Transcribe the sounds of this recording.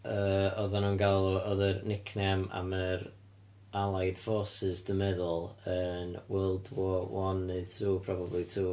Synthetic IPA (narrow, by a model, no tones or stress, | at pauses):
əɔðanunɡalˠɔɔðərnɪkʰnɛma̰məɾ | alˠajd̥foːsɪzdəmɛðʊlˠənwɛlˠdwɔwɔnːɨðtʰuːpʰrɔbablˠitʰuː